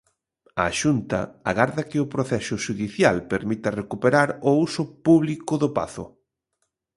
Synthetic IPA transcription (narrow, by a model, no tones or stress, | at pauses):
aʃunt̪ɐ̰aɣaɾðɐkɪʊpɾoθɛsʊʃuðiθjalpeɾmit̪ɐrekupeɾaɾʊusʊpuβlikʊðʊpa̰θʊ̰